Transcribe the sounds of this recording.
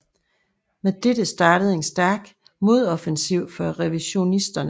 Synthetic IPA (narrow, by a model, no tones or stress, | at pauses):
med̥ed̥əsd̥ɑ̈ːɾəð̞̩ˠe̝nsd̥æɐɡ̥ | mo̝ð̞ˠɒ̽fensiʊ̰fɒ̽ʁɛʋiɕo̝nisd̥ɐn